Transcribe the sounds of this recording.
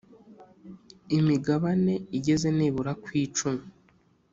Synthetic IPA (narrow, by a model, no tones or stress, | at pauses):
imiɡaβane̞iɟe̞ze̞niːβuɾakwiːt͡ʃumu